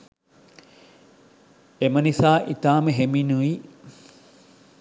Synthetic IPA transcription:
emənisaːʔit̪aːməɦeminui

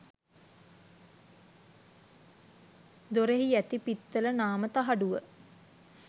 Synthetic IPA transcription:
d̪oɾeɦiæt̪ipit̪ːələnaːmət̪aɦaɖuʋə

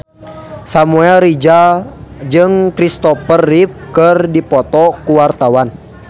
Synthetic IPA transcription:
samuɛlɾid͡ʒa | d͡ʒɨŋkɾist̪ɔpərːip̚kɨrdipɔt̪ɔkuwart̪awan

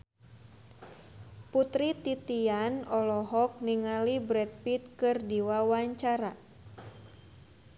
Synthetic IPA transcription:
put̪ɾit̪it̪ianɔlɔɦɔk̚niŋalibɾɛt̪̚pit̪̚kɨrdiwawaɲt͡ʃaɾa

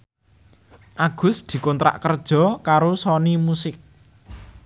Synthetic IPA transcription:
ʔaɡ̥ʊ̤sd̪̥i̤kɔnt̪ɾa̰ʔkərd̥ʒ̥ɔ̤kaɾosɔnimusɪk̚

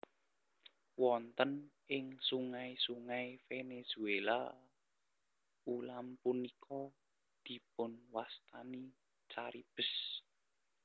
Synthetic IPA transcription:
wɔnt̪ənʔɪŋsuŋaisuŋaifenez̥uela̰ | ulampunikʰɔ | d̪̥i̤pʊnwast̪ani | t͡ʃaɾib̥ə̤s

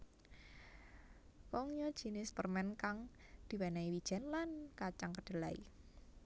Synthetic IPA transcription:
kɔŋjɔd̥ʒ̥i̤nɪspərmɛnkaŋ | d̪̥i̤wɛnaiwid̥ʒ̥ɛ̤nlankat͡ʃaŋkəɖ̥ə̤laḭ

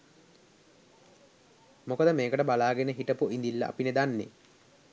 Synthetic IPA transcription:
mokəd̪əmeːkəʈəbalaːɡenəɦiʈəpuʔind̪ilːəʔa̰pined̪anːḛ

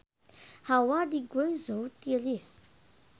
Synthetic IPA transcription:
hawad̪iɡwezowt̪ielizi̥

